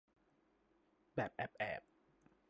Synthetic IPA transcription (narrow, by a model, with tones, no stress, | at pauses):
bɛː˨˩p̚ʔɛː˨˩p̚ʔɛ̰ː˨˩p̚